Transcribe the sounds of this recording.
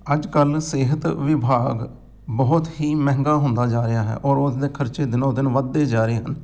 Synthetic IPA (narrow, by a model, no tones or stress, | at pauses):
əd͡ʒkəlseːɦət̪ʋɪbʱaːɡ | bəːʊt̪hiːmɛ̃ːŋɡaːɦʊ̃nd̪aːd͡ʒaːɾɪjaːɦɛ̰ːʔɔːɾʊsd̪eːkʰəɾt͡ʃeːd̪ɪnõːd̪ɪnʋəd̪ːeːd͡ʒaːɾəeːɦən